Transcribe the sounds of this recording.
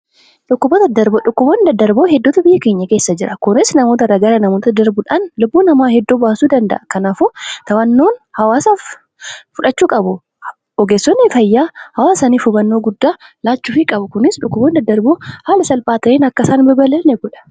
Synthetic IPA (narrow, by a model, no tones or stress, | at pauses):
ᶑʊkːʊbot̪ɐd̪ɐɾbʊᶑʊkːʊboːnd̪ɐd̪ːɐɾboːhɛd̪ːɔːt̪ɐbɪjːɐke̞ːɲːɐke̞ːsːɐd͡ʒɪɾʔɐkʊnɪsnɐmoːt̪ɐɾɐɡɐɾɐnɐmoːt̪ɐd̪ɐɾbʊᶑaːnlʊbːuːnɐmaːhɛd̪ːoːbaːsuːd̪ɐnd̪ɐ̰ʔɐkɐnaːfʊt̪ɐwɐnːoːnhɐwaːsaf | fʊᶑɐt͡ʃːuːkʼɐbʊ | ɔɡeːsːɔnːɪfɐjːaːhɐwaːsɐniːfʊbɐnːoːɡʊd̪ːaːlaːt͡ʃːʊfɪkʼɐbʊkʊnɪsᶑʊkːʊboːnd̪ɐd̪ːɐɾboːhaːlɐsɐlpaːt̪ɐeːnɐkːɐsaːnbɐbɐlɐlnɛɡɔᶑɐ̥